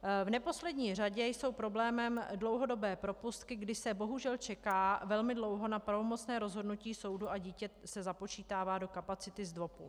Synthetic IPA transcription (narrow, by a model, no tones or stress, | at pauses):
vnɛpo̞slɛdɲiːr̝aɟɛjso̞wpɾo̞blɛːmɛmdlo̞wɦo̞do̞bɛːpɾo̞pust̪kɪɡdɪʃsɛbo̞ɦuʒɛlt͡ʃɛkaːvɛlmɪdlo̞wɦo̞napɾavo̞mo̞t͡snɛːɾo̞zɦo̞dnuciːso̞wduʔaɟiːcɛsɛzapo̞t͡ʃiːt̪aːvaːdo̞kapat͡sɪt̪ɪzdvo̞pu